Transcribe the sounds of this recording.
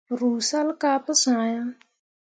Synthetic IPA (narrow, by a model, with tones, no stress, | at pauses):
ɾuː˨sa˦lkaː˦pʊ˦sʊ˨ŋa˨ja˦